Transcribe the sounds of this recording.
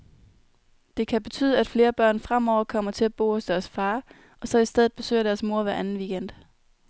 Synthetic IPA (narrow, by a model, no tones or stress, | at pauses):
d̥e̝kʰæb̥e̝t͡sʰy̰ːðˠəæd̥fle̝ːɐb̥ɶɐ̰nfʁam̰ɒʊ̰ɐkʰɒ̽m̰ɐt͡sʰe̝læb̥o̝̰ːɒsd̥æɐsfɑ̈ː | ʔɒ̽sɒ̽isd̥eð̩ˠb̥e̝sø̰ːɐɾ̥æɐsmo̝ɐ̰ʋæɐʔænn̩ʋiɡ̥en̰d̥